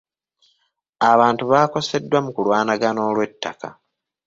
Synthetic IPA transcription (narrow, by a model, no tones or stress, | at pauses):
aβaːntuβaːko̞se̞dːwamukulwaːnaɡano̞ːlwe̞tːaka̰